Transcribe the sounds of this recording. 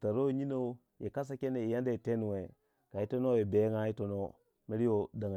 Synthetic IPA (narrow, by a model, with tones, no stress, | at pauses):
ta˨ɾo˦i˨ɲi˦no˦ | ji˨ka˦s̬a˦ke˦ne˨i˨ja˦nda˦i˨te˦n˨we˨ | ka˨i˦to˦no˦e˨be˨˦ŋa˦i˦to˨no˦ | mi˦ɾi˦jo˦da˨ŋa˨